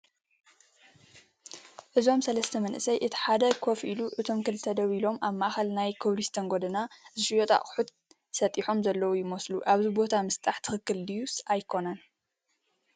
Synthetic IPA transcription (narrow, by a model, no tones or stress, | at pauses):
ʔɨzo̞msɐlɐst̪ʰɐmɐnʔɨsɐjʔɨt̪ʰi̥ħad̪ɐkʰo̞fʔiluʔɨt̪ʰo̞mkɨlt̪ʰɐd̪ɐβilo̞mʔaβmːaʔaxɐlnajkʰɨβlist̪ʰɐŋɡod̪ɐnazɨʃɨjot̪ʰʼa̰ʔʼħut̪ | sɐt̪ʼiħo̞mzɐlːɐwujɪmɐsluʔaβzɨbo̞t̪ʰamɨst̪ʼaħt̪ʰɨxɨkːɨldɨjusajkʰo̞nan